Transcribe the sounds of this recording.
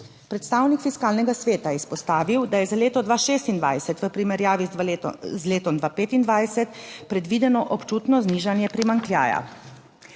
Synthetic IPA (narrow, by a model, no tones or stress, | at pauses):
pɾɛt̪st̪aːwnikfiskaːlnɛɡasʋeːt̪ajɛispɔst̪aːʋiwd̪ajɛzaleːt̪ɔd̪ʋaʃeːst̪ind̪ʋajsɛt̪ʋəpɾimɛɾjaːʋizleːt̪ɔmd̪ʋaːpeːt̪ind̪ʋajsɛt̪pɾɛd̪ʋiːd̪ɛnɔʔɔpt͡ʃuːt̪nɔzniːʒanjɛpɾimaŋklʲja̰ːja̰